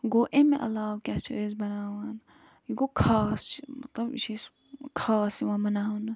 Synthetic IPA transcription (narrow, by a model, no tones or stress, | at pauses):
ɡoːʔemẽʔɐ̰laːwkʲat͡ʃʰɐezbɐnaːwan | iɡokʰaːst͡ʃimɐt̪lɐb̰t͡ʃʰis | kʰaːsiʋãmɐnaːɦunɐ